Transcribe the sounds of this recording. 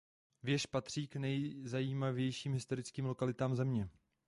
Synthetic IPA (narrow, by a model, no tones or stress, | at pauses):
vjɛʃpat̪r̝̥iːknɛjzajiːmavjɛjʃiːmɦɪst̪o̞ɾɪt͡skiːmlo̞kalɪt̪aːmzɛmɲɛ